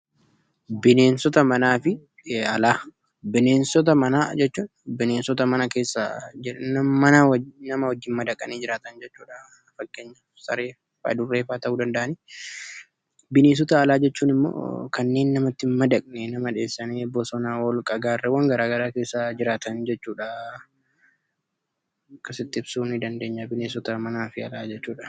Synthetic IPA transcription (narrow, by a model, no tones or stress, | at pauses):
bɪne̞ːnsɔt̪ɐmɐnaːfɪ | ɐlaː | bɪneːnsɔt̪̬ɐmɐnaːd͡ʒɛt͡ʃːuːᶑɐbɪneːnsɔt̪ɐmɐnɐke̞ːsːɐ̰d͡ʒɪnɐmɐnanɐmɐwɔd͡ʒːɪːnmɐd̪ɐkʼːɐneːd͡ʒɪɾaːt̪ɐnd͡ʒɛt͡ʃːuːᶑɐ | fɐkːeːɲːɐ | sɐ̰ɾeː | fɐ̰d̪ʊrːe̞ːfaːt̪ɐʔuːd̪ɐnd̪ɐʔɐniː | bɪneːs̬ɔt̪aːlaːd͡ʒɛt͡ʃːuːnɪmːo̰ːkɐnːe̞ːnːɐmɐt̪ːɪmɐd̪ɐkʼnenɐmɐᶑe̞ːsːɐneːbɔsɔnaːwɔlkʼɐɡaːrːɛwɐŋɡɐɾaːɡɐɾaːke̞ːsːad͡ʒɪɾaːt̪ɐnd͡ʒɛt͡ʃːuːᶑa | kːɐsɪt̪ːɪɪb̥suːnɪd̪ɐnd̪e̞ːɲːabɪneːsɔt̪ɐmɐnaːfɪɐlaːd͡ʒɛt͡ʃːuːᶑɐ